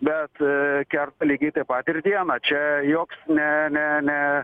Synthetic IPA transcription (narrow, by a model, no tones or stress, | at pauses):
bʲɛt̪kʲɛrt̪ɐlʲiːɡʲit̪ɐpɑt̪ʲɪɾʲd̪ʲiɛnɐt͡ʃʲɛjoːksnʲɛnʲɛnʲɛ